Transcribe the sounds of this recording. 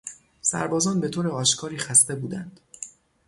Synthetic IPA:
sæ̰ɾbɒːzɒːnbe̞t̪ʰoːɾeɒːʃkʰɒːɾiːxæst̪e̞buːd̪ænd̪̥

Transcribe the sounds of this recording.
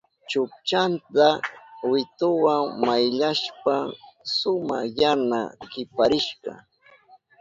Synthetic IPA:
t͡ʃʊk̚t͡ʃant̪awɪt̪ʊwaŋmajʎaʃpaŋsʊma̰jana̰ɢɪpaɾɪʃɢɑ̰

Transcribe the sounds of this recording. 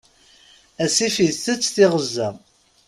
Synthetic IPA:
æsifiθθət͡sːθɪʁəzːæ

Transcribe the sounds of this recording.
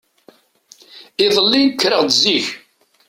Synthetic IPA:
ɪðˤəlːinkːɾəʁd̪ziç

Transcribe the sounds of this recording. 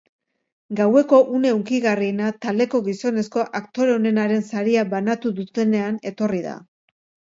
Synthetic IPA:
ɡawe̞ko̞ʔune̞uŋkiɣarienat̪ald̪e̞ko̞ɣiso̞ne̞sko̞ʔakt̪o̞ɾeone̞naɾe̞nsaɾiaβanat̪uðut̪e̞ne̞ane̞t̪o̞riða̰

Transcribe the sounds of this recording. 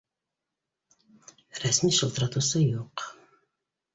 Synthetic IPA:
ɾæsmiːʃəlˠt̪ɾat̪usəjuq

